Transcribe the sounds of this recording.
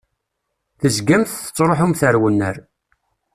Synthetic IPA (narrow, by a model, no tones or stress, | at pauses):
θəzɡæmθθə̥t͡sːɾˤoħumθəɾwənːə̰ɾ